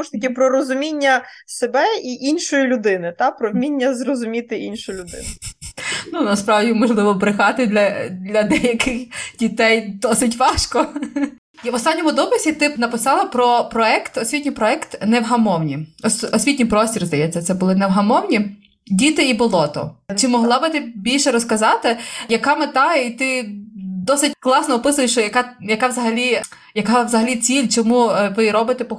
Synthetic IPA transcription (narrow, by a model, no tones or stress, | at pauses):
uʃt̪ɐkʲɪpɾɔɾɔzʊmʲinʲːɐsebɛiʔinʃɔjilʲʊd̪ɪnɪt̪ɑpɾɔʋmʲinʲːɐzrɔzʊmʲit̪ɪʔinʃʊjlʲʊd̪ɪ̰nʊ | nunɐspɾɑwdʲimɔʒlˠɪʋɔbɾɪxɑt̪ɪd̪lʲɐd̪ʲlʲɐd̪ɛjɐkɪxdʲit̪ɛjd̪ɔsɪt̬ʲʋɑʃkɔ | ʋɔst̪ɑnʲːɔmʊd̪ɔpɪsʲit̪ɪnɐpɪsɑlˠɐpɾɔpɾɔɛkt̪ɔsʲʋʲitʲnʲijpɾɔɛkt̪nɛwɦɐmɔwnʲiɔsʲɔsʲʋʲitʲnʲijpɾɔsʲtʲirzd̪ɐjɛt͡sʲːɐt̪sɛbʊlˠɪnɛwɦɐmɔwnʲi | dʲit̪ɪibʊlˠɔt̪ɔ̰t͡ʃɪmɔɦlˠɑbɪt̪ɪbʲilʲʃɛɾɔskɐzɑt̪ɪjɐkɑmɪt̪ɑit̪ɪ | d̪ɔsɪtʲklˠɑsnɔːpɪsʊjɪʃt͡ʃɔjɐkɑjɐkɑʋzɐɦɐlʲi | jɐkɑʋzɐɦɐlʲit͡sʲilʲt͡ʃɔmuʋɪɾɔbɪt̪ɛpɔ